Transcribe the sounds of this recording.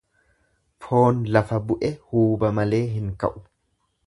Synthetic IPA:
fʰo̞ːnlɐfɐbʊʔɛhuːbɐmɐle̞ːɦɪŋkɐ̰ʔʊ̥

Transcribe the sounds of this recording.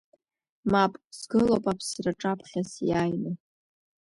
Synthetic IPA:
mapʼzɡɨlowpʼapʰsraʈ͡ʂʼapʰχʲasjajnɨ

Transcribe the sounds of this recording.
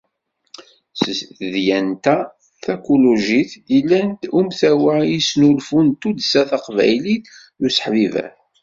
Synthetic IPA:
θðjænt̪æ | θækoloʒiθjəlːænt̪umθæwæjisnulfunt̪ud̪sæθɑqvæ̰jliθ | usə̥ħvivæ̰θ

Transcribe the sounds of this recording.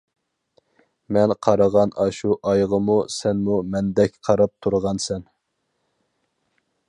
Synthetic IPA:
mɛnqʰɑɾɑʁɑnɑʃuʔɑjʁəmusɛnmumɛnd̪ɛkʲqʰɑɾɑp̚t̪ʰuɾʁɑnsɛn

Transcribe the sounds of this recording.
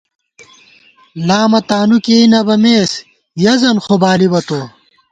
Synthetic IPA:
laːmɐt̪aːnukeinɐbɐmeːs | jɐzɐnxobaːlibɐt̪oː

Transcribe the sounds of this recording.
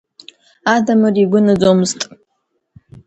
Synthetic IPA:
aːdɐmɨriɡʷʊnɨzomɨztʼ

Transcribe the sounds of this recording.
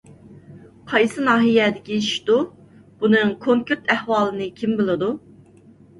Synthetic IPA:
qʰɑjsɨnɑːɦijɛd̪ɪkʲiiʃt̪u | b̥unɨŋkʰoŋkʲyɾt̪ʰɛhwɑːlˠɨnɨkʲʰimbɨlˠɨd̪u

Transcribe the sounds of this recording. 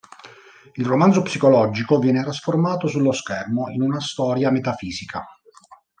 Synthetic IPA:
ilromanzopsikolɔd͡ʒikovjɛːnet̪ɾasformaːt̪osulːoskɛrmoinunast̪ɔːɾjamet̪afiːzikʰa̰

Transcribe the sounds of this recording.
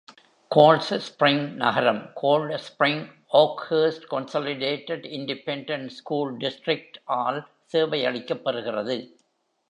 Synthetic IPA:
koːlsspɾɪŋnɐ̰ɣɐɾɐmkʰoːlɖspɾɪŋ | oːkheːsʈkɔnsoːlɪɖeːʈːɛɖɪɳɖɪpɛɳɖɐɳʈskuːlɖɪsʈɾɪk̚ʈʔaːl | seːʋɐɪɐɭɪkːɐpːɐɾɯɣɪrɐðɯ

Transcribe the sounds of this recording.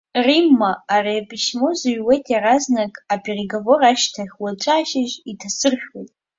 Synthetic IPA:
rimːaːrepʰʼiʃmozɨɥwejtʰjaraznakʼapʰʼe̞reɡavo̞raʃtʰaχʲwat͡ʃʷʼaːʃɪʒitʰasɨrχʲᶣwejtʼ

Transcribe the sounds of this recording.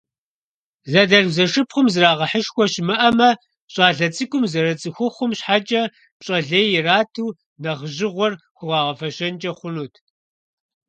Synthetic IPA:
zɐdɐɮzɐʂɨpχʷʊmzɨraːʁɐħəʃxʷɔɕmɨʔɐmɐ | ɕʼɑːɮɐt͡sʼɨkʷʼʊmzɐɾɐt͡sʼɨxʷʊχʷʊmɕħat͡ʃʼɐ | pɕʼɐɮeːjɪraːtʰuː | nɐʁʑɪʁʷɔrxʷʊʁɑːʁɐfɐɕɐnt͡ʃʼɐχʷʊnuːtʰ

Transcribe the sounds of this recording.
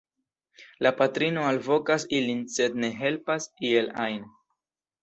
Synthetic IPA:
lapatɾino̞alvo̞kasilinse̞d̪̚ne̞ɦe̞lpasielajn

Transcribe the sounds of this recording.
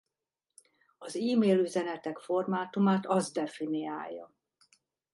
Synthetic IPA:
ɒziːmeːlyzɛnɛt̪ɛkfo̞rmaːt̪umaːt̪ɒzd̪ɛfinia̰ːjːɒ̰

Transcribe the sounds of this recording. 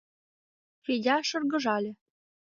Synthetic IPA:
fedʲɑʃɤ̆rɣɤ̆ʒɑlʲĕ

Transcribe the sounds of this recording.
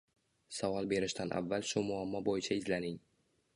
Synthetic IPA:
savɒlˠbe̞ɾɪʃt̪anʔa̰vːalʃʊmʊamːɒbojɪt͡ʃʰaɪzlanɪŋ

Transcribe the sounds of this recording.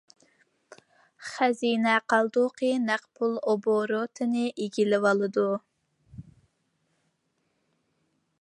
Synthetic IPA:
χɛzinɛqʰɑlˠd̪uqʰɨnæqpʰulˠoboɾot̪ʰɨnɨʔeɡʲilɪvɑlˠɨd̪u

